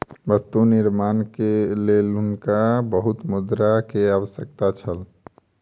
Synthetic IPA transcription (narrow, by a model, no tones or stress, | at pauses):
ʋəst̪unɪɾmaːnkelelʊnkabəɦʊt̪mʊd̪ɾakeaːʋəsjək̚t̪at͡ʃʰəl